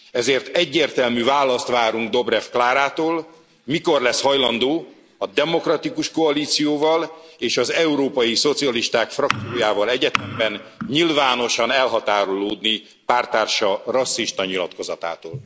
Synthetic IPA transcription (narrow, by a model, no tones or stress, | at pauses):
ɛzeːrt̪ɛɟːeːrt̪ɛlmyːvaːlːɒst̪ʋaːɾuŋɡ̚d̪o̞bɾɛfklaːɾaːt̪oːl | miko̞rlɛshɒjlɒnd̪oː | ɒd̪ɛmo̞krɒt̪ikuʃko̞ɒliːt̪sijoːvɒleːʃɒzɛuɾoːpɒjiso̞t̪sijɒliʃt̪aːkfrɒk̚t̪sijoːjaːvɒlɛɟɛt̪ɛmbɛnɲilvaːno̞ʃɒnɛlɦɒt̪aːɾoloːd̪ni | paːrt̪aːrʃɒrɒsːiʃt̪ɒɲilɒ̰t̪ko̞zɒt̪a̰ːt̪oːl